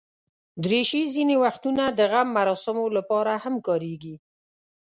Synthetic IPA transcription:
d̪ɾeʃizinewaxt̪unad̪əɣamːaɾɑsɪmolapɑɾahamkɑɾeɡi

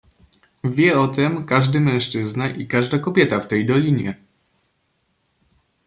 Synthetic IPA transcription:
vʲjɛɔt̪ɛmkaʐd̪ɘmɛ̃w̃ʂt͡ʂɘznaʔikaʐd̪akɔbʲjɛt̪aft̪ɛjd̪ɔlʲiɲjɛ

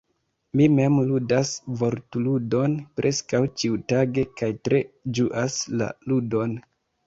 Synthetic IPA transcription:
mime̞mludasvo̞ɾtuludo̞npɾʔe̞skawt͡ʃiutaɡe̞kajtɾe̞d͡ʒuʔasla̰ludo̞n

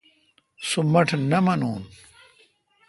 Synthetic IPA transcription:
sumɐʈʰnɐmɐnuːn

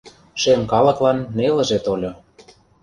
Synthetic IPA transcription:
ʃemkɑlɤ̆klɑnːelə̆ʒet̪olʲŏ

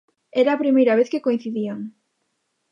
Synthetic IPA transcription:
eɾaːpɾimejɾaβ̞eθkekoĩn̟θiðiaŋ

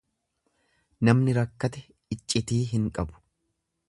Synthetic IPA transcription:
nɐmnɪɾɐkːɐt̪ɛ | ɪt͡ʃʼːɪt̪iːɦɪŋkʼɐbʊ̥

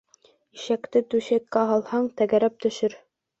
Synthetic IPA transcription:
iʃækt̪ɘt̪ʉɕæk̪̚kæɦɑlˠhɑɴt̪æɡæɾæp̚t̪ɵ̆ʃɘɾ

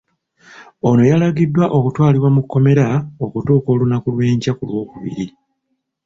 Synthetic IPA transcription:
o̞no̞jalaɡidːwaʔo̞kutwaːliβwamukːo̞me̞ɾao̞kutoːko̞ːlunakulwe̞ːɲcakulwo̞ːkuβḭɾi

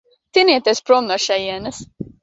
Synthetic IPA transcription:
t̪iniɛt̪ʲɛspɾɔŋɡaʃɛjiɛnɐs

